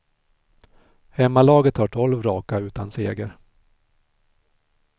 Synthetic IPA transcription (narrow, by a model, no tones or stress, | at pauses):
hɛmːalɑːɡət̪haʈʰɔlvɾɑːkaʉ̟ːt̪anseːɡəɾ